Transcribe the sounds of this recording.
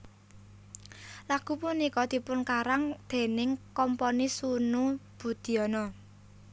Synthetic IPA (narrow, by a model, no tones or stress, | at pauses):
laɡ̥ṳpunikɔd̪̥i̤pʊnkaɾaŋd̪̥e̤nɪŋkɔmpɔnisunub̥ṳd̪̥i̤ɔnɔ